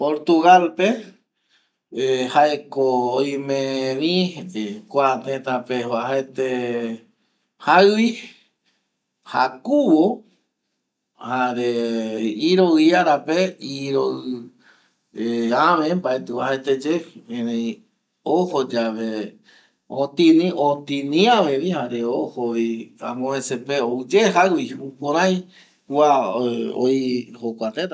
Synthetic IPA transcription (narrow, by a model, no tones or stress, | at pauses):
poɾt̪uɣalpe | haekoojmẽβĩkʷat̪ẽt̪apehoaɦet̪e | hawi | ha̰kuβo | haɾe | iɾowiaɾapeiɾo | eaʋẽmbaet̪uahet̪ed͡ʒeẽnẽĩ | ohod͡ʒaʋe | ot̪ĩnĩot̪ĩnĩãʋeʋihaɾeohoβia̰mõesepeoud͡ʒeɦawiũpõɾ̃ãj̃ | wʷao̰ihokʷat̪et̪a